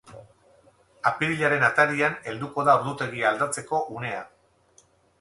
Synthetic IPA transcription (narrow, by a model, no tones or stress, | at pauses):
apiɾiʎaɾe̞nat̪aɾiane̞ld̪uko̞ðaoɾðut̪e̞ɣiald̪at͡se̞ko̞ʔune̞a̰